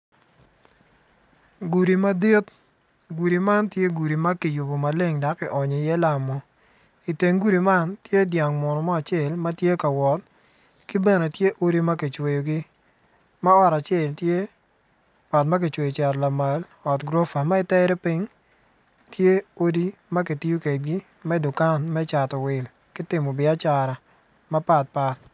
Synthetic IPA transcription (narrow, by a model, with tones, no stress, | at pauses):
ɡu˨ɾi˨ma˦di˦t | ɡu˨ɾi˨ma˦ntje˦ɡu˨ɾi˨ma˦ki˨ju˨bo˨ma˨le˦ŋda˨kːɪ˨ʔɔ˨ɲe˨jɛ˦la˨mɔ˨ | i˨te˨ŋɡu˦ɾi˨ma˦ntje˦dja˨ŋmɔ˨nɔ˨mɔ˦a˨t͡ʃɪe˦˨lmɐ˦tje˦ka˨wɔ˨t̚ | ki˦bɛ˦ne˨tje˦ʔo˦ɾi˦mɐ˦ki˨t͡ʃwe˨jo˨ɡɪ˦ | ma˦ɔ˦˨ɾa˨t͡ʃɛ˦˨ltje˦ | ɔ˨tma˦k̬e˨t͡ʃwe˨jɔ˨t͡ʃa˨ɾla˨ma˨l | ɔ˨tɡɾo˦fa˨ma˦ɪ˨tɛ˦ɾɛ˦pɪ˦ŋ | tje˦o˦di˦ma˦k̬i˨ti˦ju˦ke˨d̚ɡi˦ | mɛ˦dʊ˨ka˦nmɛ˦t͡ʃa˨tɔ˨wɪ˨l | kɪ˦tɪ˨mɔ˨bɪ˨a˦t͡ʃa˨ɾa˨ | ma˦pa˨t̚pa˦t